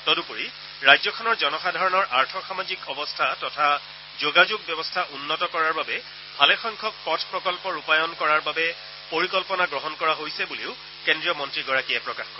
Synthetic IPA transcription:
tɔdupuɹi | ɹajzɔkʰɔnɔɹzɔnɔxadʱaɹɔnɔɹʔaɹtʰɔxamazikɔbɔstʰatɔtʰa | zoɡazuɡ̚bjɔbɔstʰaʔunːɔtɔkɔɹaɹbabɛ | bʱalɛxɔŋkʰɔk̚pɔtʰpɹɔkɔlpɔɹupajɔnkɔɹaɹbabɛ | poɹikɔlpɔnaɡɹɔɦɔnkɔɹaɦojsɛbuleʊ | kendɹijɔmɔntɹiɡɔɹakijɛpɹɔkaxkɔɹɛ

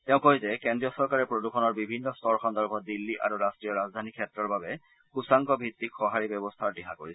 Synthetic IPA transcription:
tɛʊ̃koɦjzɛkɛndɹijɔsɔɹkaɹɛpɹodukʰɔnɔɹbibʱinːɔstɔɹkʰɔnd̪ɔɹbʱɔdilːiʔa̰ɹuɹastɹijɔɹazd̪ʱanikʰɛtɹɔɹbabɛ | kusaŋkɔbʱit̪ːikxɔɦaɹibɛbɔst̪ʰaɹdɛɦako̰ɹisɛ

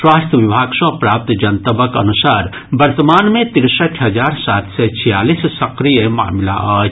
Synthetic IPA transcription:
ʃwaːst̪ʰəʋɪbʱaːɡʃɔːpɾaːp̚t̪d͡ʒɐnt̪əbəkɐ̰nʊsaːɾ | bɐɾt̪əmaːnmẽt̪ɪɾsəʈʰɦɐzaːɾsaːt̪ʰset͡ʃʰijaːliːssɐqɾijəma̰ːmla̰ʔaː

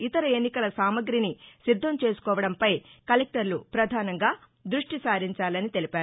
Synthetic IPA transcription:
it̪ɐɾɐe̞nːikɐlɐsaːmɐɡɾinisid̪ʱːɐmt͡ʃe̞ːsu̥kɔːʋɐɽɐmpɐjkɐlek̚ʈɐɾlupɾɐd̪ʱaːnɐŋɡaː | d̪ɾuʂʈisaːɾiɲt͡ʃaːlɐnit̪e̞lipaːɾu

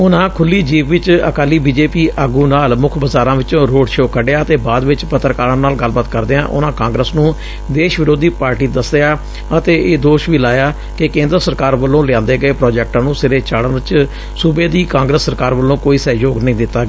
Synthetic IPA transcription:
ʊnãːkʰʊlːiːd͡ʒiːʋʋɪt͡ʃə̰kaːlːiːbiːd͡ʒeːpiːʔəɡũːnaːlmʊkʰbəzaːɾãːʋɪt͡ʃõːɾoːɖʃoːkʰəɖeaːət̪eːbaːd̪ʋɪt͡ʃpət̪ːɾəkaːɾənnaːlɡəlbaːt̪kəɾd̪eːãːʔʊ̰nãːkãːŋɡɾəsnũː | d̪eːʃʋɪɾoːd̪iːpaːɾʈiːd̪əsdejaː | ət̪eːʔeːd̪oːʃʋiːlaːjaː | kɪkẽːnd̪əɾəsəɾkaːɾʋəlːõːlɪjãːnd̪eːɡəeːpɾɔːd͡ʒɛːk̚ʈãːnũːsɪɾeːt͡ʃaːɽənt͡ʃ | subeːd̪iːkãːŋɡɾəsːəɾkaːɾʋəlːõːkoːiːsɛːjoːɡnəɦĩːd̪ɪt̪ːaːɡeː

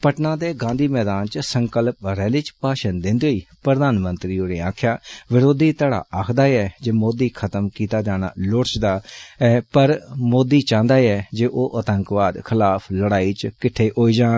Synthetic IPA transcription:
pəʈnãːd̪eːɡãːnd̪iːmɛːd̪aːnt͡ʃsəŋkəlp̚ɾɛːlɪt͡ʃpaːʃənd̪ɪ̃nd̪oiːpɾəd̪aːnmə̃nt̪ɾiːoɾeːãːkʰjaːʋɪɾoːd̪iːt̪əɽa̰ːʔaːkʰd̪aːɛːd͡ʒeːmoːd̪iːkʰət̪əmkiːt̪aːd͡ʒaːɽña̰ːloɾt͡ʃd̪aːɛːpəɾmoːd̪iːt͡ʃãːnd̪aːɛːd͡ʒeːʔoːʔət̪əŋkʋaːd̪kʰɪlaːpʰləɽaːiːt͡ʃkɪʈʰːeːɦoːiːd͡ʒaːn

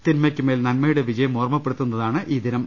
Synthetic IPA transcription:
t̪inmɐkʲːumeːlnɐnmɐjuɽe̞ʋid͡ʑɐjɐmoːrmɐpːeɽut̪ːunːɐðaːɳɨʔiːd̪inɐm

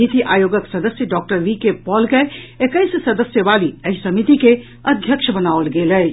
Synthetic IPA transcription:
it̪iʔajoɡəksəd̪əsjəɖɔk̚ʈəɾʋikepɔlkeekəjssəd̪əsjəbaliəɦisəmit̪ike | əd̪ʱjəkʃʰəbənaʋəlɡeləj

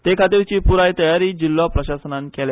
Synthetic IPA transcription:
t̪ekʰat̪iːɾt͡ɕiːpuɾajt̪əjaɾiːd͡ʑilːɔpɾəɕasənankel

